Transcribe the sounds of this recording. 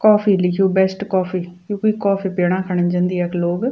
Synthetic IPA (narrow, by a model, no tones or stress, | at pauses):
kɔːfiːlɪkʰijoːbɛːsʈkɔːfʰiːkõːkiːkɔːfiːpeːɽ̃ãːkʰəɳ̃ənd͡ʒãːnd̪iːɛːkloːɡ